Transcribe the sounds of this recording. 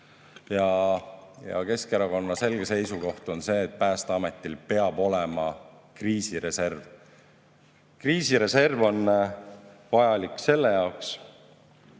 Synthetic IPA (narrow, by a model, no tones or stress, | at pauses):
jɑ | jɑ̰ke̞skeɾɑko̞nːɑse̞lɡ̥e̞se̞jsuko̞ht̪o̞nse̞ːt̪̚pæːst̪eɑme̞t̪ːˑilpe̞ɑb̥o̞lemɑkriːsiɾe̞se̞rv | kriːsiɾe̞se̞rvo̞n | vɑjɑlikse̞lːe̞jɑoks